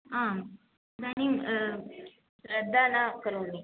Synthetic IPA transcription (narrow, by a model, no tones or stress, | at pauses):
ɦã | d̪añi | ɾəd̪ʱanakəɾunːi